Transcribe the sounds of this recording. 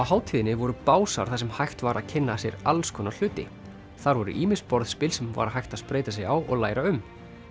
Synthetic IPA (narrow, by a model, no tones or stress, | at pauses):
awɦaːwt̪ʰiːðɪnːɪvɔɾʏpaːwsaɾ̥θasɛmhajxt̪vaɾʔaðcʰɪnːasjɛɾalskʰɔːnal̥ʏːt̪ɪ | θaɾvɔɾʏ̰ʔiːmɪspɔɾðspɪlsɛmva̰ɾaɦajht̪aðspɾeːjt̪asjɛɣawʔɔɣlaːjɾaʏm